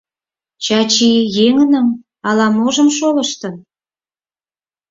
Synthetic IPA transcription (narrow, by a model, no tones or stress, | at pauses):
t͡ɕɑt͡ɕijeŋə̆nə̆m | ɑlɑmoʒə̆mʃolə̆ʃt̪ɤ̆